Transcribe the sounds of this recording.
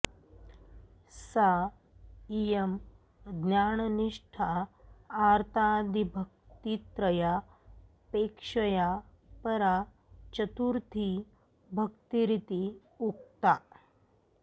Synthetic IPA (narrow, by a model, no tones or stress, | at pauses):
sa | ijəm | d̪njaɳniʂʈʰaː | ɾt̪ʰad̪ʱibʱək̚t̪it̪ɾəja | pekʂəja | pəɾa | t͡ʃət̪uɾt̪ʰi | bʱəkt̪iɾit̪i | uk̚t̪a